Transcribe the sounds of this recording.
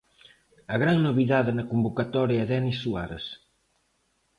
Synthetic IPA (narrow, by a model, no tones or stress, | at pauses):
ɐɣɾaŋnoβiðaðenɐkumbokat̪ɔɾjaeðɛnisːua̰ɾɐs